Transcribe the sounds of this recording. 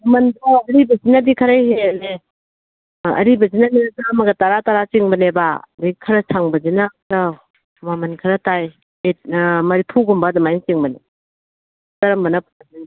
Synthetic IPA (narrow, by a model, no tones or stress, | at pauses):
mɐmɐndɔɐɾibɐzinadikʰɐɾajheɐle | ɐ̰ɾibɐzinaninɐzɐmɐɡɐtaɾataɾat͡ʃiŋbɐnebadikʰɐɾɐsʰaŋbɐzinata | mamɐnkʰɐɾɐtaj | etmɐɾipʰuɡumbadɐmajnt͡ʃiŋbɐne | tɐɾɐmbɐnɐpʰuɐzin